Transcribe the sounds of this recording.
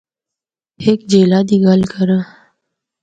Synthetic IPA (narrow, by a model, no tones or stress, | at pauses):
hekd͡ʒelad̪iɡalkəɾə